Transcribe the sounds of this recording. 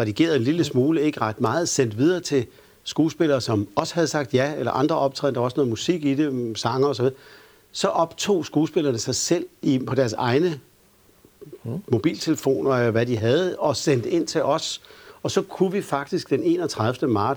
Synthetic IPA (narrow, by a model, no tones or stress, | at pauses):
ʁɛd̥iɡ̥e̝̰ːɐðˠenliləsmuːləe̝ɡ̥əʁɑ̈d̥mɑ̈ːð̞̩ˠsen̰d̥ʋið̞ˠɐːt͡sʰe̝ | sɡ̥uːsb̥e̝lɐːsɒ̽mɒ̽sə̥hæð̞̩ˠsɑ̈ɡ̥̚d̥jæelɐ̰ʔɑ̈nd̥ʁɐɒ̽b̥̚t͡sʰʁɛ̰n̰d̥ɐɒsəno̽ːð̩ˠmusiɡ̥id̥esɑ̈ŋɐɒs̬ɒʋið̞ˠɐ | sɒ̽ʔɒ̽b̥t͡sʰo̝̰ːsɡ̥uːsb̥e̝l̰ɐnəsɑ̈ɪsel̰ipʰɒ̽ɾ̥æɐsɑ̈ɪnə | mo̝b̥ḭːlt͡sʰe̝ləfo̝̰ːnɐelɐʋæd̥iɦæð̞̩ˠɒ̽sen̰d̥əe̝n̰t͡sʰe̝ʔɒ̽sɒ̽sɒ̽kʰuʋifɑ̈ɡ̥̚d̥isɡ̥d̥ene̝̰ːnɒt͡sʰʁɑð̞ˠfd̥əmɑ̈ːds